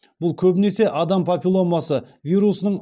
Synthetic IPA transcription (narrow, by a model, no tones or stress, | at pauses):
b̥ʊlˠkʲʰɵbɪne̞se̞ʔɑd̪ɑmpʰopʲilˠomɑsə | vʲijɾusənəɴ